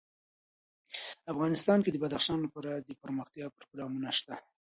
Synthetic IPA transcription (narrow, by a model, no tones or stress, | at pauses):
afɣɑnɪst̪ɑnked̪əbad̪axʃɑnlapɑɾad̪əpəɾməxt̪jɑpɾoɡɾɑmunaʃt̪a